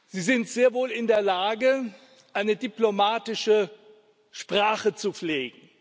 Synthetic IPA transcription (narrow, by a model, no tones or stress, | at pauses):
z̥iːzɪntz̥eːɐvoːlɪndeːɐlaːɡə | ʔaɪnədiplomaːtɪʃə | ʃpʁ̥aːχət͡sufleːɡŋ̩